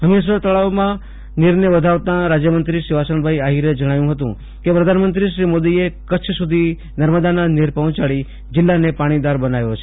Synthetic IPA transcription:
ɦəmes̬ət̪əɭaʋmã | niɾnəʋəd̪ʱaʋt̪ãɾad͡ʒjəmənt̪ɾiʃiʋasəɳbʱaiaɦiɾed͡ʒəɽ̃ajũɦət̪ṵ̃ | kepɾəd̪ʱanmənt̪ɾiʃɾimod̪iekət͡ʃʰsud̪ʱi | nəɾməd̪ananiɾpɔ̃ɦt͡ʃaɭi | d͡ʒɪlːanepaɽ̃id̪aɾbənajot͡ʃʰe̥

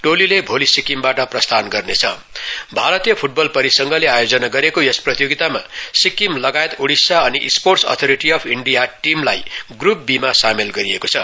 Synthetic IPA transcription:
ʈolilebʱolisikimbaʈʌprʌst̪ʰanɡʌrnet͡sʰʌ | bʱaɾʌt̪ijʌpʰuʈ̚bʌlpʌɾisʌŋɡʌleajod͡zʌnaɡʌɾekojʌsprʌt̪joɡit̪amasikimlʌɡaet̪oɽisaʌniʔsporʈsʌ̰t̪ʰoɾiʈiʌpʰiɳɖijaʈimlajɡrup̚bimasamelɡʌɾiekot͡sʰʌ

